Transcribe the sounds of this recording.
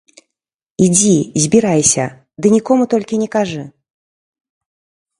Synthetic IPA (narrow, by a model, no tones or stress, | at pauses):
id͡zʲizʲbʲiɾajsʲɐ̰ | d̪ɨnʲikɔmut̪ɔlʲkʲinʲɛkaʐɨ